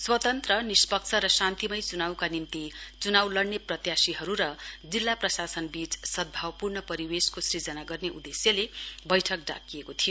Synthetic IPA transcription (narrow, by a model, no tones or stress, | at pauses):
swʌt̪ʌnt̪rʌnispʌkt͡sʰʌɾʌsant̪imʌjt͡sunawkanimt̪it͡sunawlʌɽneprʌt̪jasiɦʌɾuɾʌd͡zilːaprʌsasʌnbit͡ssʌd̪̚bʱawpurnʌpʌɾiweskosid͡zʌnaɡʌrneʔud̪esjʌlebʌjʈʰʌk̚ɖa̰kijekot̪ʰijo